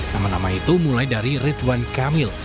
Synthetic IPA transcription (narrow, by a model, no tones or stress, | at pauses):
namanamait̪umulajdaɾirɪt̪bankamɪl